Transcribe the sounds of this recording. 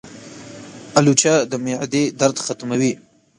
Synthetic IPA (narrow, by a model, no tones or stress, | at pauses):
alut͡ʃad̪əmeʕd̪ed̪aɾd̪xat̪mawi